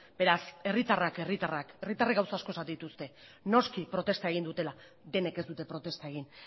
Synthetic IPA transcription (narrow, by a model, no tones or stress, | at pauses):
b̥e̞ɾase̞rit̪arake̞rit̪arake̞rit̪areɡawsaːsko̞sat̪d̪it̪ust̪e̞no̞skipɾo̞t̪e̞st̪ae̞ɣ̞ind̪ut̪e̞la | ðe̞ne̞ke̞zd̪ut̪e̞pɾo̞t̪e̞st̪ae̞ɣ̞in